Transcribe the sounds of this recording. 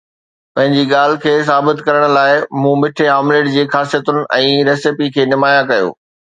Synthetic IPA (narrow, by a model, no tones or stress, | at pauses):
pɐ̃ɦɪ̃ɲd͡ʑiːɠaːl̤ɪ̆kʰeːs̬aːbɪt̪kɐɾəɽ̃̆laːɪmũːmɪʈʰeɦaːmleːʈd͡ʑeːxaːsijət̪ʊnɪ̆ʔɛ̃ːɾɛːsɪpikʰeːnɪmaːjakɐjo̰ː